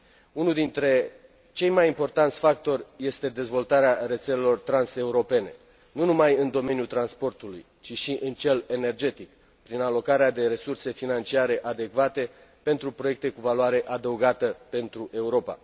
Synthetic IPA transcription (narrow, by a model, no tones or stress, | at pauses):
unuld̪int̪ɾe̞ | t͡ʃe̞jmajimpo̞rt̪ant̪sʲfakt̪o̞rʲje̞st̪e̞d̪e̞zvo̞lt̪aɾeare̞t̪se̞le̞lo̞rt̪ɾanse̞uɾo̞pe̞ne̞ | nunumajɨnd̪o̞me̞njult̪ɾanspo̞rt̪ulṵj | t͡ʃiʃiʔɨnt͡ʃe̞le̞ne̞rd͡ʒe̞t̪ik | pɾinalo̞kaɾead̪e̞ɾe̞surse̞finant͡ʃiaɾe̞ʔad̪e̞kvat̪e̞ | pe̞nt̪ɾupɾoje̞k̚t̪e̞kuvalwaɾe̞ʔad̪əuɡat̪əpe̞nt̪ɾuʔe̞uɾo̞pa̰